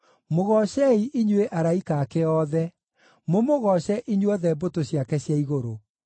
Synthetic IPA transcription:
moɣɔɕɛiʔiɲweʔaɾaikaːkeɔðɛ | momoɣɔɕɛʔiɲwɔðɛbotoɕjakɛɕjaiɣoɾo

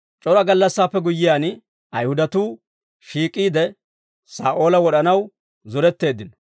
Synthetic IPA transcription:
t͡ʃʼɔɾɐɡɐlːɐsːaːpːɛɡʊjːɪjaːn | ʔɐjhʊd̪ɐt̪uː | ʃiːkʼːiːd̪ɛ | saːʔo̞ːlɐwɔɗɐnɐw | zɔɾɛt̪ːe̞ːd̪ːɪnɔ

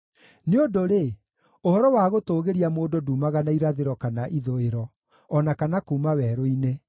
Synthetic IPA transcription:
neodoɾe | ohɔɾɔwaːɣotoːɣeɾiamoːdoduːmaɣanaiɾaðeɾɔkanaʔiðoeɾɔː | nakanakuːmawɛɾoine

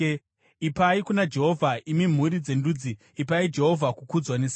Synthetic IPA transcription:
ipaikunad͡ʒe̞ɦo̞vʱaʔimim̤uɾid͡ze̞nduːd͡ziː | paid͡ʒe̞ɦovʱakukud͡zwanes

